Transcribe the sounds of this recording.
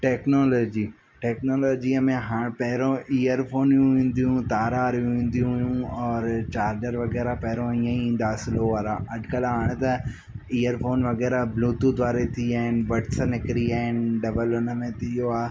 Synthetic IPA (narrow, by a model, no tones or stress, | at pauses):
ʈɛːknoːloːd͡ʑi | ʈɛːknoːloːd͡ʑiəmẽɦaːɽ̃pɛɦɾõʔiːjəɾfʰoːnjũʋĩːn̆d̪ijũt̪aːɾaːɾjũʋĩːn̆d̪ijũɦjũɔːɾt͡ɕaːɾɖəɾʋɐɣɛːɾapɛɦɾõiːə̃iĩːn̆d̪aːsɪloːaːɾaʔɐɖkəlɦaːɽ̃t̪ɐ | iːəɾfʰoːnʋɐɣɛːɾabluːt̪ud̪aːɾet̪ʰiaːɦɪnbɐʈsənɪkɪɾiaːɦɪnɖɐbəlʊnə̆mẽt̪ɪjoaː